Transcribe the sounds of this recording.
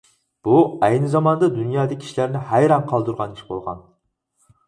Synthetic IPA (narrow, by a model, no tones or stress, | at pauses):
b̥uɛjnɪzɑmɑnd̪ɑd̪unjɑːd̪ɪkʲʰi̥ʃlæɾnɪhæjɾɑnqʰɑlˠd̪uɾʁɑniʃbolˠʁɑ̰n